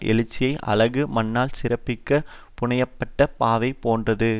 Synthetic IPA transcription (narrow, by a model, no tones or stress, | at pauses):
ʔɛ̰lɪt͡ʃːɪjɐɪʔɐ̰lɐɣɯmɐnːaːlsɪɾɐpːɪkːɐ | pʊɳɐjɐpːɐʈːɐpaːʋɐɪpoːndrɐðɯ